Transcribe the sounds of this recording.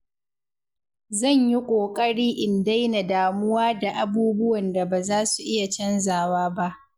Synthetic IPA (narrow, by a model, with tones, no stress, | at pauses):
zɐ˦˨ɲji˦kʷʼoː˨kʼɐ˦ɽiː˦ʔɪ˨nda˦jna˨daː˨mʊ˦waː˦da˨ʔa˨buː˦bʊ˦wɐ˨nda˨baː˨zaː˦su˨ʔɪ˦ja˨t͡ʃɛ˦nzaː˨waː˦ba˦ʔ